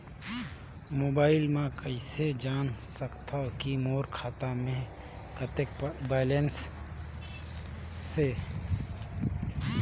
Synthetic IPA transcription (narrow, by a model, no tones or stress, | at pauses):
moːbaːɪlmãkəised͡ʒaːnsəkt̪ʰakimoːɾkʰaːt̪amẽ | kət̪ekbaːlens | e